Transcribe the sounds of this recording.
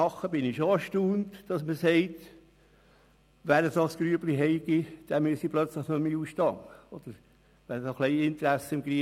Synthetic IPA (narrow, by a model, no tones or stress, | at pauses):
ɑχːəbɪnɪʃoɑʃtuːntd̥ɑsməsɛɪt | ʋæːɾəsosɡ̥ɾyəbliɦɛɪɡ̥id̪̥æmyəsiplœt͡sləχnɔmiːuːsʃtɑŋəɔd̪̥əɾ | ʋæːɾsoχlɛɪɪnt̪ɾæsːəɪmɡɾi